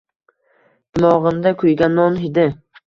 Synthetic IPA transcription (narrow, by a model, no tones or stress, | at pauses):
d̪ɪmɒʁɨmd̪akʰʊjɡʲanːɒnɦɪd̪ɪ